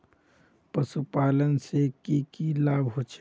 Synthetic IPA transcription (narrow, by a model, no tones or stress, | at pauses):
pəsupaːlənsekikilaːbɦoːt͡ʃʰ